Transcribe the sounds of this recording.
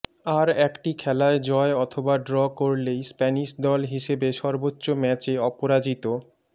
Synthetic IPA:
aɾɛkʈikʰɛlaed͡ʑɔeɔt̪ʰobaɖɾɔkoɾlejspɛniʃd̪ɔlɦiʃebeʃɔɾbotːɕomɛt͡ɕeɔpoɾad͡ʑit̪o

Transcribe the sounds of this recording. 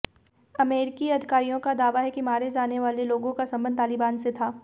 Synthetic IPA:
ɐmeːɾɪkiɐd̪ʱɪkaːɾijõkad̪aːʋaɦɛkimaːɾed͡ʒaːneʋaːleloːɡõkasɐ̃mbə̃nt̪aːlɪbaːnset̪ʰaː

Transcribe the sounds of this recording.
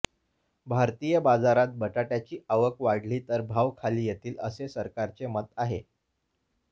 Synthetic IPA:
bʱaɾt̪ijəbad͡zaɾat̪̚bəʈaʈjat͡ɕiːʔaʋəkʋaɽ̤liːt̪əɾbʱaʋkʰaliːjet̪iːləsesəɾkaɾt͡semət̪aɦe

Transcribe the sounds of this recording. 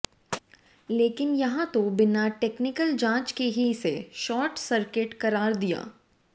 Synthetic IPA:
leːkɪnjɐɦãt̪obɪnaʈeːknɪkəld͡ʒãːt͡ʃkeɦiseʃɔːɾʈsɐɾkɪʈkɐɾaːɾd̪ija̰ː

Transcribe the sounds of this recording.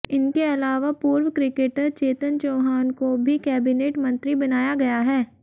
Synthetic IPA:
ɪnkeɐlaːʋapuːɾwəkɾɪkeːʈəɾt͡ʃeːt̪ənt͡ʃoːɦaːnkobʱikɛːbɪneːʈmɐ̃nt̪ɾibɐnaːjaɡɐjaɦɛː

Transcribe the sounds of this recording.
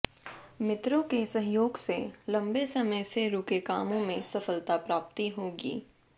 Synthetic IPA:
mɪt̪ɾõkesɐ̃ɦjoːɡselɐ̃mbesɐməjseɾʊkekaːmõmẽsɐfəlt̪apɾaːp̚t̪iɦoːɡḭː

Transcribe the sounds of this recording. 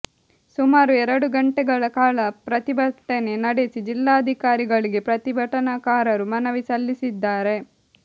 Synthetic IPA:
sumaːɾuɛɾɐɽuɡɐɳʈɛɡɐɭɐkaːɭɐpɾɐt̪ibʱɐʈːenenɐɽesid͡ʒilːaːɐd̪ʱikaːɾiɡɐɭiɡe̞pɾɐt̪ibʱɐʈɐnɐkaːɾɐɾumɐnɐʋisɐlːisid̪ːaːɾe̞

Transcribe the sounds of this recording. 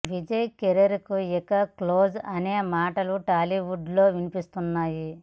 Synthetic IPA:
ʋid͡ʒɐjkeɾɐɾikuɛkɐklo̞ːd͡ʒɐneːmaːʈɐluʈaːliʋuɖlo̞ːʋinipist̪unːaːji

